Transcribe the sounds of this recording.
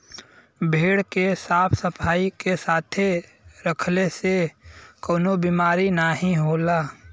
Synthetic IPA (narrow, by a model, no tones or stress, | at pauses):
bʱeːɽkesaːpʰsəpʰaːikesaːt̪ʰe | ɾəkʰlesekoːnobiːmaːɾinaɦĩɦoːlaː